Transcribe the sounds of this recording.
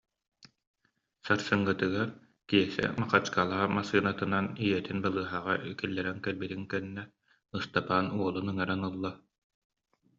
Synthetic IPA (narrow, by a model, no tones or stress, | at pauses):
saɾsɯŋːɯt̪ɯɡaɾ | kiɛsɛ̰maχat͡ɕkalˠaamasɯːnat̪ɯnanijɛt̪inbalˠɯːɦaːʁaykilːɛɾɛŋkɛlbit̪iŋkɛnːɛ | ɯst̪apaːnuɔlˠunɯŋaɾanɯlˠːa